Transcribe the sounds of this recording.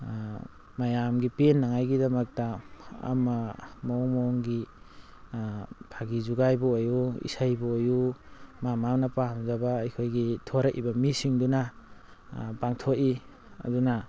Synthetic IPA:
majamɡipenːaŋajɡidɐmɐk̚ta̰ːmamawŋmowŋɡi | pʰaɡizuɡajbuojuḭsajbuojumamamnapamzabaːjkʰojɡitʰoɾaʔibamisiŋduna | baŋtʰoʔi | ɐ̰duna

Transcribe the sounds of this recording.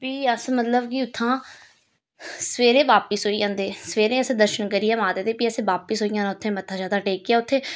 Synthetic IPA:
piːəsmət̪ləbkɪʊt̪ʰːãː | səʋeːɾẽːʋaːpɪsɦoːijãːnd̪eːsəʋeːɾẽːəsẽːd̪əɾʃənkəɾijãːmaːd̪eːt̪eːpiːəsẽːʋaːpɪsɦoːijãːnãːʊt̪ʰːẽːmət̪ʰːaːd͡ʒaːd̪aːʈeːkːɪaːʊt̪ʰːẽː

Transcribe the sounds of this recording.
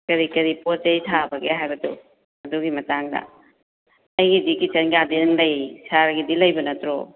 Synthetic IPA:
kɐɾikɐɾipot͡ʃɐjtʰabɐɡeɦajbɐdu | ɐduɡimɐtaŋdɐ̰ | ɐjɡidikit͡ʃɐnɡadinŋlɐjsaɾɡidilɐjbɐnɐtɾo̰

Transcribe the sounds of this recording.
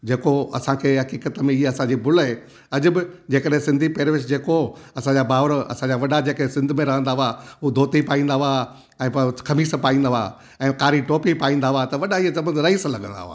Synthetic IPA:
d͡ʑeːkoɐsãkʰeːɦɐkiːkət̪mẽiɐsãɲd͡ʑiːbʱʊlɦe | ɐd͡ʑʊbɪd͡ʑeːkəɗɦẽsɪ̃nd̪ʱipeːɾʋɪs̬d͡ʑeːkoɐsãɲd͡ʑabaːʋɾɐ̰sãɲd͡ʑaʋɐɗad͡ʑeːkesɪ̃nd̪ʱɪmẽɾɐɦə̃nd̪aʋaʊud̪ʱoːt̪ipaːĩːnd̪aʋa | ɛ̃ːxɐmiːsəpaːĩːnd̪aʋoa̰ː | ɛ̃ːkaːɾiʈoːpipaːĩːn̆d̪aʋat̪ɐʋɐɗaijat͡ɕɐmənɾɐiːslɐɡʱə̃nd̪a̰ɦa̰ː

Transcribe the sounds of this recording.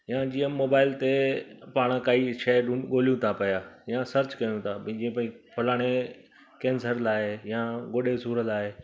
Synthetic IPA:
jãd͡ʑiːə̃moːbaːɪlt̪epaːɽ̃əkaːiʃʰɛɗɠoːlijũt̪ʰapɐjaːjãsɐɾt͡ɕkɐjũt̪ʰad͡ʑiẽpaĩpʰʊlaːɽ̃e | kẽːnsəɾlaːɦejãɡoːɗesuːɾəlaːe

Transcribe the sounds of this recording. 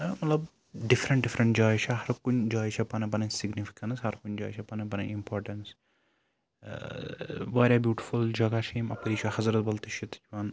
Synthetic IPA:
mɐt̪lɐb | ɖifɾɐɳʈ̚ɖifɾɐɳʈ̚d͡ʒaːiʃaɦɐɾkuɲd͡ʒaːjʃapɐnɐbɐnɐɲsiɡnifi̥kɐnshɐɾkunʲd͡ʒa̰ːjʃapɐnɐbɐnɐɲimpoːɾʈɐns | ʋaːɾʲjaːbjuːʈi̥fuld͡ʒɐɡaʃimɐ̰pɐɾiːt͡ʃʰuhɐzɾɐt̪̚bɐlt̪iʃit̪t͡ʃʋaːn

